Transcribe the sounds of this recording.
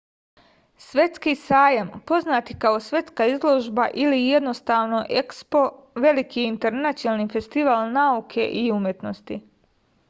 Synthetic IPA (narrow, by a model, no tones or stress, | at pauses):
sʋe̞t̪skisaːjampo̞znaːt̪ikao̞sʋje̞t̪skaizlˠo̞ʒbaʔilije̞d̪no̞st̪aːʋno̞ʔekspo̞ʋe̞likiint̪e̞ɾnat̪jonalnife̞st̪iʋaːlnaukʰe̞ʔiumjet̪no̞st̪i